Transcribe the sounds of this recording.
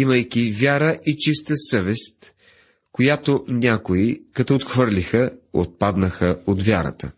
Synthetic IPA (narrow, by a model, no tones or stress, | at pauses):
iməjkʲivʲjaɾəʔit͡ʃist̪əsəvɛst̪ | kojat̪onʲakoikɐt̪oːt̪xvɤɾlʲixəo̰t̪̚pad̪nəxəod̪vʲjaɾə̰t̪ə̰